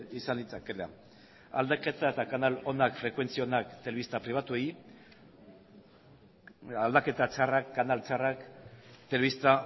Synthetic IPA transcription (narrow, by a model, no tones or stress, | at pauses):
isanlit͡sakela̰ | a̰ld̪ake̞t̪aet̪akanalo̞nakfɾe̞kwe̞nt͡sio̞nakt̪e̞le̞ist̪apɾiβat̪uej | ald̪ake̞t̪at͡sarakːanalt͡sarakt̪e̞le̞βist̪a